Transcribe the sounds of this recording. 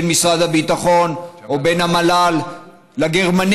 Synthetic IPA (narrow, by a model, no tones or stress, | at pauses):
nmisʁad̪habit̪aχo̞nobe̞nhamalalː | aɡeʁman